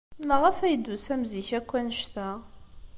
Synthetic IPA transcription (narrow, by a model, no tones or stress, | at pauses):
məʁæfæjəd̪ːusæmziçækʷːænʃt̪æ